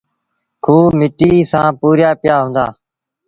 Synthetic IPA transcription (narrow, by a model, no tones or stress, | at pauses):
kʰuːmɪʈiːsãːpuːɾjaːpɪjaːɦũːnd̪a̰ː